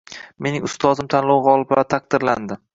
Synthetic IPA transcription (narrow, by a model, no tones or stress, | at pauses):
me̞nɪŋʊst̪ʰɒzɪmt̪ʰanlˠɒwʁɒlˠɪpaat̪ʰaq̚d̪ɪɾland̪ɪ